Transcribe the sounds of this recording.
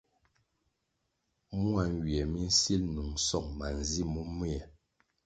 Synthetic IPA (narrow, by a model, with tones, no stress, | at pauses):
mu˦a˨ŋ˨ɡi˨ɛ˨mi˦n̩˦si˦lnu˨ŋsɔ˦˨ŋma˨n˨zi˦˨mu˦mu˦ɛ˨